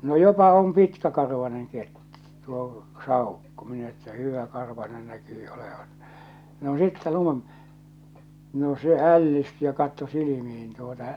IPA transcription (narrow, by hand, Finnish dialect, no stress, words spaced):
no jopɑ om pitkækɑrʋɑneŋ ket tuo sɑˑukːo minæ etːæ hyˑʋækɑrʋɑnen nækyː oleʋɑn no sitːe lun no se ælːisty jɑ kɑtːo silimih̞in tuotɑ